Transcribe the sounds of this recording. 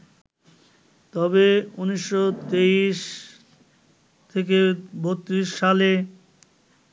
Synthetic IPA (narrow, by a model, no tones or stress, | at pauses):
t̪ɔbeuniʃːot̪eiʃ | t̪ʰek̬ebot̪ːɾiʃːale